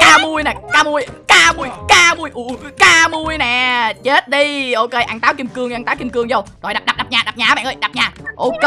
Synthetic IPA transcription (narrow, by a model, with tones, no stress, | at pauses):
kaː˧mu˧əjnɛː˨˩kaː˧mu˧əjkaː˧mu˧əjkaː˧mu˧əjʔu˧˩kaː˧mu˧əjnɛː˨˩t͡ɕe˦˥t̚ɗi˧ʔo˧keː˧jʔa˧ŋt̪aː˨˦wki˧mkɨ˧əŋ˧aː˧ŋt̪aː˨˦wki˧mkɨ˧əŋzə˧wzo˨˩jɗa˨˩ɗa˨˩ɗa˨˩p̚ɲaː˨˩ɗa˨˩p̚ɲaː˨˦ɓa̰ː˧˨nʔə˧˩jɗa˨˩p̚ɲaː˨˩ʔo˧˩ke˧